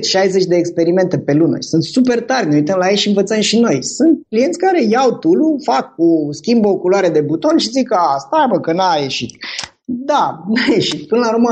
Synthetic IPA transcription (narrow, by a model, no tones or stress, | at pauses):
ʃajze̞t͡ʃʲd̪e̞ːkspe̞ɾime̞nt̪e̞pe̞lunə̰sunt̪supe̞rt̪arʲne̞ujt̪əmlajeʃiɨnvət̪səmʃino̞jsunt̪̚klije̞nt̪sʲkaɾe̞jawt̪ulufakːuskʲimbəokulwaɾe̞d̪e̞but̪o̞nʃizikast̪abəkənaje̞ʃit̪ | d̪anajeʃit̪pɨnəlaɾuɾma